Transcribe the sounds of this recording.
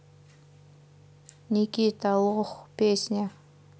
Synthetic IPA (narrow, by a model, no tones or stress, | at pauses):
nikiːt̪aʊʁə̆χpeːsnʲa